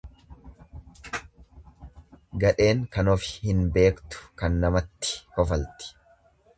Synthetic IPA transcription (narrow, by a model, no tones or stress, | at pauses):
ɡɐᶑe̞ːŋkɐnɔfɪ̥hɪnbe̞ːkt̪ʊ̥kɐnːɐmɐt̪ːɪ̥hɔfɐlt̪ɪ̥